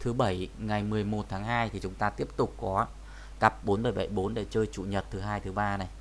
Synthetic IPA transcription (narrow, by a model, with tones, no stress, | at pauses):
t̪ʰɨ˨˦ɓə˧˩jŋa˨˩jmɨ˨˩əjmo˨˩t̚t̪ʰaː˨˦ŋɦaː˧jt̪ʰi˨˩t͡ɕʊ˨˦ŋ͡mt̪aː˧t̪i˦˥əp̚t̪ʊ˨˩k͡p̚kɔ˨˦ | ka˨˩p̚ɓo˨˦nɓə˧˩jɓə˧˩jɓo˨˦nɗḛ˧˨t͡ɕəː˧jt͡ɕṵ˧˨ɲə˨˩t̚t̪ʰɨ˨˦ɦaː˧jt̪ʰɨ˨˦ɓaː˧na˨˩j